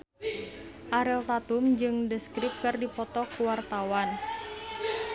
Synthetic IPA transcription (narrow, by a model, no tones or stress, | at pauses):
ʔaɾɛlt̪at̪umd͡ʒɨŋdəskɾip̚kɨrdipɔt̪ɔkuwart̪awan